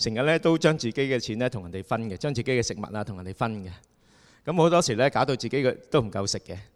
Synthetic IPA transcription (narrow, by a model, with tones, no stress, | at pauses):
sɪ˨˩ŋjɐ˨t̚lɛː˥t̪o˥wt͡ʃœː˥ŋt͡siː˨˩ke˨˥jkɛː˧t͡sʰiː˨˥nlɛː˥t̪ʰŋjɐ˨˩nt̪e˨˩jfɐ˥nkɛ˧t͡ʃœː˥ŋt͡si˨ke˨˥jkɛː˧sɪ˨k̚mɐ̰˨t̚laː˧t̪ʊ˨ŋjnte˨˩fɐ˥nɡɛ˧ | kɐ˨˥mho˨˥t̪ɔː˥siː˨˩lɛː˥kaː˨˥wt̪o˧wt͡siː˨ke˨˦˥kt̪o˥wm̩˨˩kɐ˧wsɪ˨kːɛ˧